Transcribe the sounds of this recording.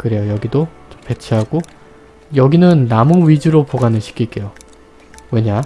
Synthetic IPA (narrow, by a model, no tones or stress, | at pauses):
kɯɾe̞jojʌɡidot͡ɕompe̞t͡ɕʰiɦaɡ̥o | jʌɡinɯnːamuɥid͡ʑuɾopoɡanɯɭɕʰi̥kʰiɭk͈e̞jo | we̞ɲa